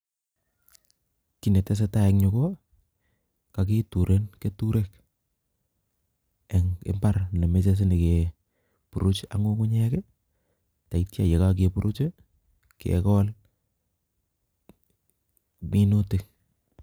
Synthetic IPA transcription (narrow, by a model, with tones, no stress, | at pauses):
ki˦ne˨tɛ˦s̬e˦ta˦ɛ˨kɲʊ˨ko˦ | ka˨k̬e˦tu˨ɾʔe˦nke˦tu˦ɾe˦k | e˨ŋḛ˦mpa˦ɾle˨me˦t͡ʃe˦s̬e˦ne˨ke | pu˨ɾu˦t͡ʃa̰˨ŋo˦ku˦ɲɛ˦kɛ˦ | ta˨i˦tja̰˨je˨ka˦k̬epu˦ɾʔu˦t͡ʃe˦ | kḛkɔ˦l | mi˦no˦tɪ˨k